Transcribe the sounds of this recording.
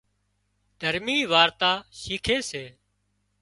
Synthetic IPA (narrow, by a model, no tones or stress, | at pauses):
d̪ʱəɾmiːʋaːɾt̪aːʃiːkʰeːseː